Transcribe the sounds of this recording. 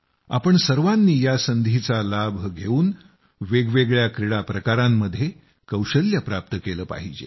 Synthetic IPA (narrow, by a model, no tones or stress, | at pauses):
a̰pəɳsəɾʋanːiːjasənd̪ʱit͡salabʱɡʱeuːn | ʋeɡʋeɡɭjakɾiɽapɾəkaɾamːəd̪ʱːje | kəwɕəljapɾap̚t̪əkeləːpa̰ɦid͡ʑḛ